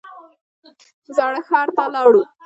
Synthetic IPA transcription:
zɑɽəxɑɾt̪alɑɽu

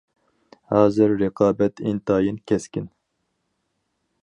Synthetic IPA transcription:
hɑːzɨɾːeqɑːbɛt̪ʰḭnt̪ʰɑːjinkʲʰɛskʲin

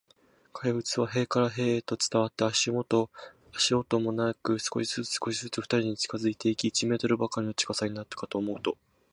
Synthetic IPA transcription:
kʰaiɸɯ̟t͡sɨβaɦe̞ːkaɾaɦe̞ːeːt̪o̞t͡sɨ̥t̪aβat̪ːaaɕimot̪o | aɕio̞t̪o̞mo̞nakɯ̟sɨ̥ko̞ɕizɨsɨ̥ko̞ɕizɨt͡sɨfɸɯ̥t̪aɾʲiɲ̟it͡ɕi̥kazɨit̪e̞ikʲiːt͡ɕime̞ːt̪o̞ɾɯ̟bakːaɾʲino̞t͡ɕi̥kasaɲ̟inat̪ːḁkat̪o̞ːmo̞ɯ̟t̪o̞

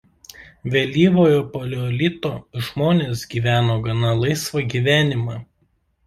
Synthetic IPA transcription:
ʋʲɛlʲiːʋoːjoːpolʲɔlʲit̪oːɪʒmoːnʲeːsɡʲiːʋʲæːnoːɡɐnɐlˠɐɪsʋɐɡʲiːʋʲæːnʲɪmɑː

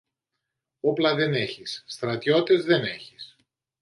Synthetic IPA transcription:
o̞plɐðe̞ne̞çisːt̪ɾɐt̪ʝo̞t̪ezðene̞çis

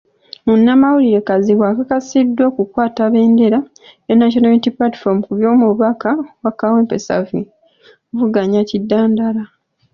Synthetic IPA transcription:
munːamawuliɾe̞kaziβwakakasidːo̞ːkukwaːtaβe̞ːnde̞ɾa | enːaʃonaitiplati̥fomukuβjo̞ːmuβakawakaweːmpe̞sa̰vi | ovuɡaɲacidːaːndala

